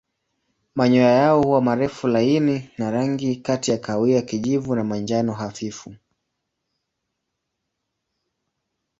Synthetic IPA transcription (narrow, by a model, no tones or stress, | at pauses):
maɲɔjajaɔhuwamaɾɛfulaininaɾaŋɡikatijakawiakiʄivunamand͡ʒanɔɦafifu